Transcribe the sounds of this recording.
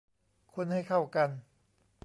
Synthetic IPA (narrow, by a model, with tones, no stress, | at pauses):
kʰu˧nha˥˩jkʰa˥˩wka˧n